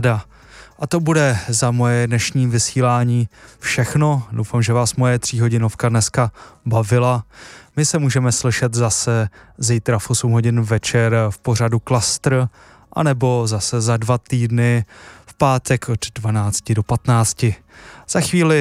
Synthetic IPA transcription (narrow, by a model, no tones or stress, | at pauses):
da | ʔat̪o̞budɛzamo̞jɛdnɛʃɲiːvɪsiːlaːɲiːfʃɛxno̞dowfamʒɛvaːsmo̞jɛt̪r̝̥iːɦo̞ɟɪno̞fkadnɛskabavɪlamɪsɛmuːʒɛmɛslɪʃɛt̪zasɛzijt̪ɾafʔosumɦo̞ɟɪnvɛt͡ʃɛɾfpo̞r̝aduklast̪ɾ | ʔa̰nɛbo̞zasɛzadvat̪iːdnɪfpaːt̪ɛkʰoddvanaːt͡scɪdo̞pat̪naːt͡scɪz̥axviːlɪ